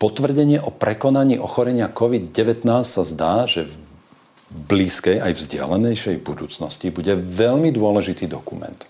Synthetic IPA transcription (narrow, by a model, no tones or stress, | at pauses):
pɔt̪ʋr̩ɟɛɲɪɛʔɔpɾɛkɔnaɲiːʔɔxɔɾɛɲɪakɔʋid̪̚ɟɛʋɛt̪naːssazd̪aːʒɛv | bliːskɛjajvzɟɪa̰lɛnɛjʃɛjbud̪uːt͡snɔscibuɟɛʋɛʎmid̪ʊɔlɛʒit̪iːd̪ɔkumɛ̰nt̪